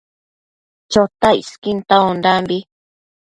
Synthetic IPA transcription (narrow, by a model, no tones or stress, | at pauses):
t͡ʃot̪aḭskint̪aond̪ambi